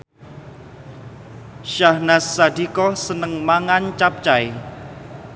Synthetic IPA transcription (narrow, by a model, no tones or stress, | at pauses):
ʃahnasːad̪̥ikɔsənəŋmaŋant͡ʃap̚t͡ʃae